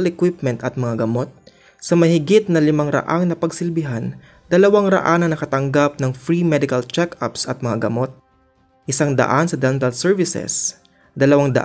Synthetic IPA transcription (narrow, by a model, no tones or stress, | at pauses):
lɛkwɪp̚mɛnt̪ɐt̪̚mɐŋaɡɐmo̞t̪̚ | sɐmɐhɪɡɪt̪̚nɐlɪmɐŋɾɐ̰ʔaŋnɐpɐɡsɪlbɪɦan | d̪̥ɐlɐwaŋɾɐ̰ʔanɐnɐkɐt̪ɐŋɡap̚nɐŋfɹimɛd̪ɪkɐlt͡ʃɛka̰psɐt̪̚mɐŋaɡɐmo̞t̪̚ | ʔɪsaŋd̪ɐ̰ʔansɐd̪ɛnt̪ɐlsɛɹvɪsɛ̰s | d̪ɐlɐwaŋd̪ɐ̰ʔ